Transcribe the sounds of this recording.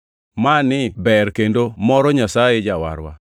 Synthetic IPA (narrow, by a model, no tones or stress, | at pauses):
manɪbɛrkendomɔɾɔɲasajed͡ʒawa̰ɾwa̰